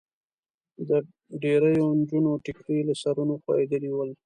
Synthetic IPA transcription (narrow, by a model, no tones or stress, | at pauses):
d̪ə | ɖeɾəjond͡ʒunoʈɪkɾilasaɾunoxwa̰ɾed̪əliwəl